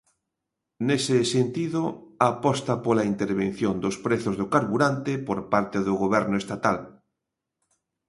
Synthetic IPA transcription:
nesɪsent̪iðʊapɔst̪apolaint̪eɾβen̟θjond̪ospɾeθʊzðʊkaɾβuɾant̪epoɾpaɾt̪eðʊɣoβ̞ɛɾnʊest̪at̪al

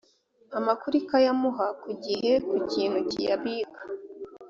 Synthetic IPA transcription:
amakuɾikajamuɦakuɟiɦe̞kuciːn̥hucijaβiːɡḁ

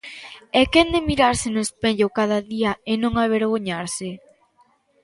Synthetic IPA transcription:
ɛkend̪emiɾaɾsɪnʊespeʎokað̞aðiaenõŋaβeɾɣ̞oɲaɾsɪ

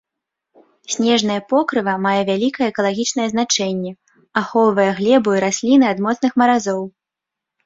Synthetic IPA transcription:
sʲnʲɛʐnɐjɐpɔkɾɨvɐmajɛvʲalʲikɐjɛɛkɐlˠaɣʲit͡ʂnɐjɛzn̪at͡ʂɛnʲːɛ | axɔlˠvɐjɛɣlʲɛbuiɾasʲlʲinɨad̪mɔt̪snɨxmɐɾazɔw

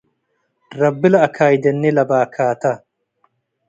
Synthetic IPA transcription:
ɾɐbːɪlɐːkʰaːjd̪ɛnːɪlɐbaːkʰaːt̪ɐ

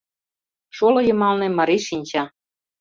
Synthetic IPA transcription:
ʃolɤ̆jɤ̆mɑlnĕmɑɾiʃinʲt͡ɕɑ

